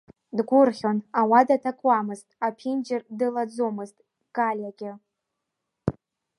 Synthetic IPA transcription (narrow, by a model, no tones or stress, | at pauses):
dɡʷʊrχʲonawadatʰakʷʼwamɨztʼapʰind͡ʒɪrdɨlad͡zomɨztʼ | ɡ̥ʼalʲjaɡʲɪ